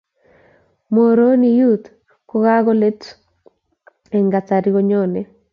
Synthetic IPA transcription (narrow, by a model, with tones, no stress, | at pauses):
mo˨ɾo˦ni˨ju˦t̪ | ko˦ɣa˦ɡɔ˦le˦t | e˨ŋɡa˨t͡sa˨ɾi˦ɡo˦ɲo˦˨ne˨